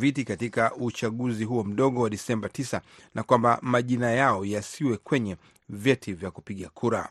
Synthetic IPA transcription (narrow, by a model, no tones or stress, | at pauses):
vitikatikaut͡ʃaɠuziɦuɔm̩ɗɔɠɔwaɗisɛmbatisanʔakwambamaʄinajaɔjasiwɛkwɛɲɛ | vjɛtʰivjakupiɠakʰuɾa̰